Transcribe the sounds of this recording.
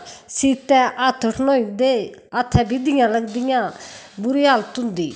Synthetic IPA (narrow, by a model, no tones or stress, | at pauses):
sit̪ɛ̃ʔat̪ʰəʈʰnoːid̪eat̪ʰɛ̃ːbid̪ijãːləɡd̪ijãːbuɾijaːlt̪und̪iː